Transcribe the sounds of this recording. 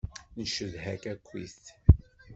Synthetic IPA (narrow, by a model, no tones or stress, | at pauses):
nəʃəðhækækʷːḭst̪